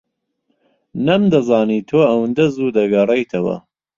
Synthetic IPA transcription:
nɐmd̪ɐzɑːniːt̪ʰoːɐwɨnd̪ɐzuːd̪ɐɡɐrˤejt̪ʰɐwɐ̰

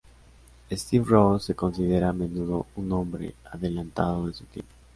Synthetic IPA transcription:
est̪ifrosekonsiðeɾaːmenuðouŋõmbɾḛaðelãnt̪a̰ðoðesut̪ḭpo

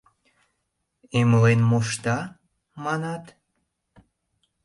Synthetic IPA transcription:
eməlenmoʃt̪ɑ | mɑnɑt̪

